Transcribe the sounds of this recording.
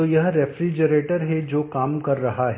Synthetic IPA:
oːjɐɦɾɛfɾid͡ʒəɾeːʈəɾɦɛd͡ʒoːkaːmkɐɾːɐɦaɦ

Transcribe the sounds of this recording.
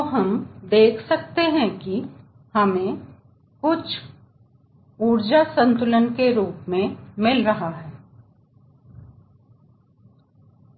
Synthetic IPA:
oɦɐmd̪eːkʰsɐk̚t̪eɦɛ̃ki | hɐmẽ | kʊt͡ʃʰ | uːɾd͡ʒasə̃nt̪ʊlənkeɾuːpmẽmɪlɾɐɦaɦɛː

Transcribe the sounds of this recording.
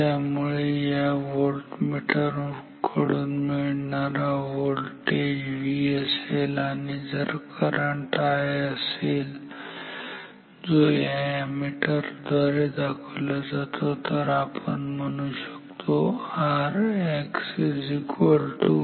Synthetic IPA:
t̪amuɭejaʋolʈmiʈəɾ | kʰəɽuːnmiɭɳaɾaʋolʈed͡ʑʋiəselanid͡zəɾkəɾəɳʈaeəsel | d͡zojajamiʈəɾd̪ʱaɾed̪akʰəlad͡zat̪ʰot̪əɾapəɳməñuɕəkt̪ʰoaɾeksid͡zikʋəlt̪u

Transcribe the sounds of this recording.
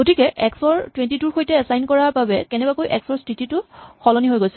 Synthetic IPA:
ɡotikɛʔɛksɔɹtwɛntituɹxojtɛːsajnkɔɹaɹbabɛkɛnɛbakojʔɛ̰ksɔɹstititʊxɔlɔniɦojɡojsɛ

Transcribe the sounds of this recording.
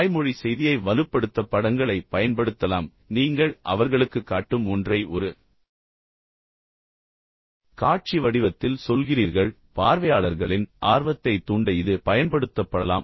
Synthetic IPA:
jmɔɻisɛjðɪjɐɪʋɐlɯpːɐɽɯt̪ːɐpːɐɽɐŋɡɐɭɐɪpɐjɐnpɐɽɯt̪ːɐlaːm | niːŋɡɐɭʔɐ̰ʋɐɾɣɐɭɯkːɯkːaːʈːɯmɔndrɐɪʔɔɾɯ | kaːʈ̚t͡ʃiʋɐɽɪʋɐt̪ːɪlsɔlɣɪriːɾɣɐɭ | paːɾʋɐjaːɭɐɾɣɐɭɪnʔaːɾʋɐt̪ːɐɪt̪ːuɳɖɐɪðɯpɐjɐnpɐɽɯt̪ːɐpːɐɽɐla̰ːm

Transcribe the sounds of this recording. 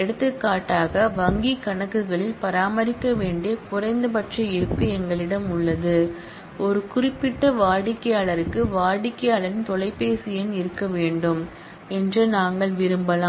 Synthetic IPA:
ɛɽɯt̪ːɯkːaːʈːaːɣɐʋɐŋɡikɐɳɐkːɯɣɐɭɪlpɐɾaːmɐɾɪkːɐʋeːɳɖekʊrɐɪnd̪ɯpɐʈrɐɪɾɯpːɪɛŋɡɐɭɪɽɐmʊɭːɐðɯ | ɔɾɯkʊrɪpːɪʈːɐʋaːɽɪkːɐjaːɭɐɾɯkːɯʋaːɽɪkːɐjaːɭɐɾɪnt̪ɔlɐɪpːeːsɪjɐnɪɾɯkːɐʋeːɳɖɯm | ɛndrɯnaːŋɡɐɭʋɪɾɯmbɐlaː

